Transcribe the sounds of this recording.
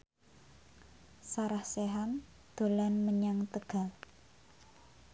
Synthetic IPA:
saɾahseɦam | d̪̥o̤lanməɲaŋt̪əɡ̥a̤

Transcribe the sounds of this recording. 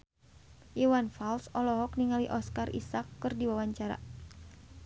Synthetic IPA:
ʔiwanfalsɔlɔɦɔk̚niŋaliʔɔskarʔḭsakːɨrdiwawaɲt͡ʃaɾa̰

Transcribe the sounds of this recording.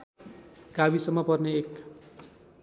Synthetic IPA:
ɡabisʌmːʌpʌrneek

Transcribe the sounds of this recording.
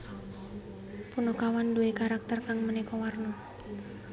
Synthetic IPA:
punɔkawanduekaɾak̚t̪ərkaŋmənikɔwarnɔ

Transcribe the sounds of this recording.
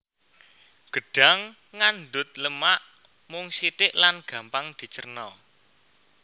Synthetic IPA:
ɡ̥ə̤ɖ̥a̤ŋː | and̪ʊt̪̚ləmaʔ | mʊŋsit̪ɪʔlanɡ̥a̤mpaŋd̪̥i̤t͡ʃərnɔ

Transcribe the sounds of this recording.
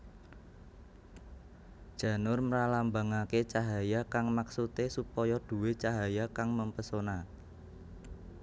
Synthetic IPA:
d̥ʒ̥ä̤nʊrməɾalambaŋaket͡ʃaɦajakaŋmaksut̪esupɔjɔd̪̥ṳwet͡ʃaɦajakaŋməmpəsona

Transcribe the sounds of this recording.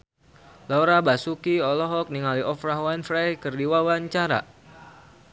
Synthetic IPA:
lɔɾabasukiɔlɔɦɔk̚niŋaliʔɔfɾaɦwanfɾajkɨrdiwawaɲt͡ʃaɾa̰

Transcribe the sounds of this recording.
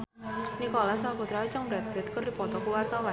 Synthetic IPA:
nikɔlasakut̪ɾait͡ʃaŋbɾat̪̚b̥ɛ̤t̪̚kərdipɔt̪ɔkuwart̪awa

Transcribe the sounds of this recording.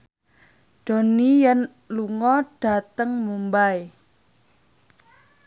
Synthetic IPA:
ɖ̥o̤nijan | luŋɔɖ̥a̤t̪əŋmumbae

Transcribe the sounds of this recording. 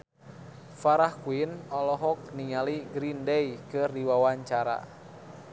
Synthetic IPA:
faɾahkuinɔlɔɦɔk̚niŋaliɡɾindɛjkɨrdiwawaɲt͡ʃaɾa̰

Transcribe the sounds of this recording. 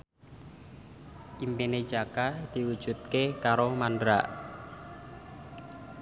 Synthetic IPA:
ʔimpene̥d͡ʒakad̪̥i̤wu̥ʒ̥ṳt̪̚kekaɾomandɾa̰ʔ

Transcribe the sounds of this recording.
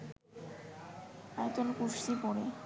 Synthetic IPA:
ajet̪olkuʃipɔɾe

